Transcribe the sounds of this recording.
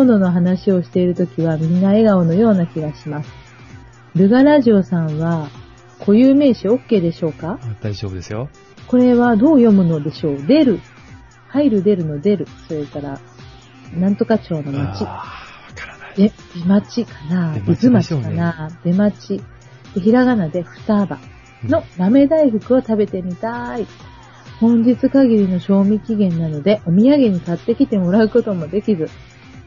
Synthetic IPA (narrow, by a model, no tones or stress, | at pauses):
ono̞no̞ɦanaɕio̞ɕi̥t̪e̞iɾɯ̟t̪o̞kʲiβamʲĩnːae̞ɡaono̞jo̞ːnakʲiɡaɕimasɨ̥ | ɾɯ̟ɡaɾaʑio̞sãɰ̃βa | kʰo̞jɯːme̞ːɕio̞kːe̞ːd̪e̞ɕo̞ːkad̥̪aobɯd̪esjo | ko̞ɾe̞βad̪o̞ːjo̞mɯ̟no̞d̪e̞ɕo̞ːd̪e̞ɾɯ̟ | haiɾɯ̟d̪e̞ɾɯ̟no̞d̪e̞ɾɯ̟so̞ɾe̞kaɾa | nãnt̪o̞kat͡ɕo̞ːno̞mat͡ɕi | ebʲimat͡ɕikḁnaizɨmat͡ɕi̥kanad̪̥e̞mat͡ɕi | d̪̥eçiɾaɣanad̪e̞ɸɯ̟̥t̪aːba̰ | no̞ɾame̞d̪aiɸɯ̟kɯ̟o̞t̪abe̞t̪e̞mʲit̪ai | hõ̞ɲ̟d͡ʑit͡sɨkaɡʲiɾʲino̞ɕo̞ːmʲikʲiɡẽ̞nːano̞d̪e̞ʔo̞mʲijaɡe̞ɲ̟ikat̪ːe̞kʲit̪e̞mo̞ɾaɯ̟ko̞t̪o̞mo̞d̪e̞kʲizɨ